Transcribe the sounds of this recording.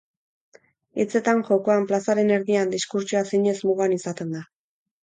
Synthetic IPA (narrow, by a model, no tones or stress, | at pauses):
et͡se̞t̪anʝo̞ko̞amplasaɾe̞ne̞ɾðiand̪iskuɾt͡ʃuasiɲe̞zmuɣanisat̪e̞nd̪a